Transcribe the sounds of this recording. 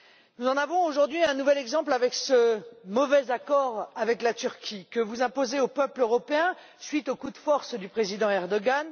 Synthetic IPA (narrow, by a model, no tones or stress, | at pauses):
nuzɑ̃navɔ̃oʒuʁd̪ɥiɛ̃nuvɛlɛɡzɑ̃plavɛksəmɔvɛzakɔʁavɛklat̪yʁkʲʰikəvuzɛ̃pozeopœpløʁɔpeɛ̃ | sɥit̪okud̪fɔʁsd̪ypχezid̪ɑ̃ɛʁd̪ɔɡan